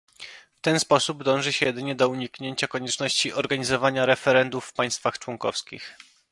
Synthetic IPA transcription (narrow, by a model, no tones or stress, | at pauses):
ft̪ɛnspɔsub̚d̪ɔ̃w̃ʐɘɕɛjɛd̪ɘɲɛd̪ɔuɲikɲeɲt͡ɕakɔɲɛt͡ʂnɔɕt͡ɕiʔɔɾɡaɲizɔvaɲaɾɛfɛɾɛnd̪ufːpaj̃st̪faxt͡ʂwɔŋkɔ̰fskʲḭx